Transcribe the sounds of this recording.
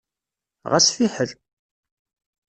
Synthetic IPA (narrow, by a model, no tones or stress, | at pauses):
ʁasfiħəl